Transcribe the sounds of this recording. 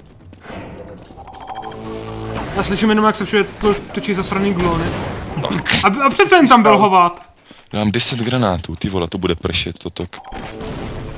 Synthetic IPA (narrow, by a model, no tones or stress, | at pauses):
jaːslɪʃimjɛnomjaksɛfʃudɛt̪ot̪ot͡ʃizast̪ɾaniːɡlonɪt̪a̰kaapr̥ɛt̪t͡sɛjɛnt̪ambɪlɦovat̪ | daːmdɛsɛd̪ɡɾanaːt̪uːt̪ɪvolɛt̪obudɛpr̩ʃɛt̪t̪ot̪ok